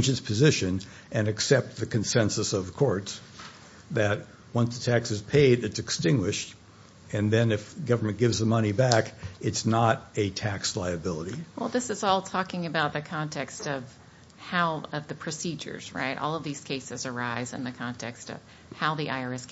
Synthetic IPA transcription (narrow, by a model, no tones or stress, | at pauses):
nd͡ʒɨz̥pʰɨzɪʃɨ̃n | ɨ̃nɨksɛp̚t̪̚ðɨkʰɨ̃n̩sɛ̃nsəsʌv̥kʰɔɹts | ðɨt̚ | wʌ̃nsðətʰæksɨz̥pʰeɪɾɨtsɨkstɪ̃ŋɡwɪʃt | ɨ̃nðɨ̃nɨfɡʌvə˞mɨ̃nɡ̥ɪvzðəmʌñibækɨtsnəɾɨtʰækslaɪɨbɪlˠəɾiwɛlˠðɪsɨzɔlˠtʰɔkɪ̃ŋɨbaʊt̪̚ðɨkʰɑ̃ntʰɛkstʌv̥ | haʊʌvðɨpʰɹ̥ɨsid͡ʒə̰˞z̥ɹa̰ɪɾɔ̰lˠʌvðiz̥kʰeɪsɨzə˞aɪzɨ̰̃nðɨkʰɑ̃ntʰɛkstʌ̰v̥ | haʊðiʔaɪə˞ɛs